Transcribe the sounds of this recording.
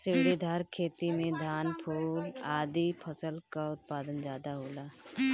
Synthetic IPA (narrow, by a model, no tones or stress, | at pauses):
sɪːɽid̪ʱaːɾkʰeːt̪imẽd̪ʱaːnpʰuːlaːd̪ipʰəsəlkaʊt̪̚paːd̪ənzjaːd̪aɦoːlaː